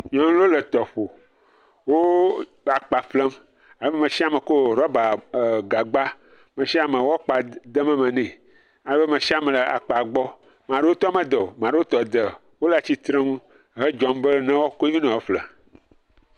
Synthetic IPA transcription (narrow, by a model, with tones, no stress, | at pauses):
ɲ˦ɔ̃˨ŋ˦lo˦lə˨t̪ɔ˨ɸo˨ | wo˦ | a˨k͡pa˨flə˦m | a˨lə˦be˦mẽ˨ʃi˦a˦mə̃˨ko˦˨ɾɔ˦ba˨ɡa˨ɡ͡ba˦ | mə̃˨ʃi˦a˨mə̃˨wɔ˦k͡pa˨d̪ə˦mə̃˦mɛ̃˨nɛ̃˨ | a˨lə˦be˦mẽ˨ʃi˦a˦mɛ˨lə˨a̰˨k͡pa˨ɡ͡bɔ˦ | mã˨ɖe˦wo˦t̪ɔ˦mɛ̃˦d̪ə˨o˨mã˨ɖe˦wo˦t̪ɔ˨d̪ə˨ | wo˦la˦˨t͡ɕi˦t̪ɾẽ˦ŋũ˦ | ɦe˦d͡ʒɔ˨mbə˦nɛ̃˦wɔ˦ko˦i˦o˦nɔ̃˨we˦flə˨